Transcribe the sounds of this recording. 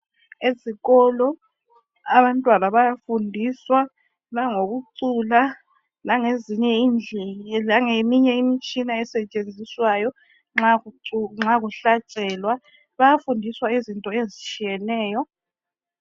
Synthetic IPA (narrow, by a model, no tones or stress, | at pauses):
eziɣɔlɔ | aβantʼwanaβajafundʱiswa | naŋoɣuǀula | naŋeziɲɛind͡ɮʱɛlaŋemiɲɛimit͡ʃʼinaɛsɛt͡ʃʼend͡zʱiswajɔ | ŋ͡ǁaŋ͡ǁaɣuɬat͡ʃʼɛːlwa | βajafundʱiswaizintʼɔezit͡ʃʰʼijɛnɛːjɔ